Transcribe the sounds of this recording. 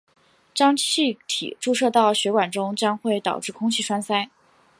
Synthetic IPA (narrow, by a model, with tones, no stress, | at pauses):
ʈ͡ʂɑ˥ŋt͡ɕʰi˥˧t̪ʰḭ˨˩ʈ͡ʂu˥˧ʂɤ˥˧t̪ɑ˥˩ʊɕɥɛ˧˥kwa˨˩nʈ͡ʂʊ˥ŋt͡ɕjɑ˥ŋxwe˥˩ɪt̪ɑ˨˩ʊʈ͡ʂɻ̩˥˩kʰʊ˥ŋt͡ɕʰi˥˩ʂwa˥nsa˥ɪ